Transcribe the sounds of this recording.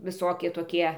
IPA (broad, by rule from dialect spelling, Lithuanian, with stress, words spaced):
ʋʲɪˈsoːkʲiɛ toːˈkʲiɛ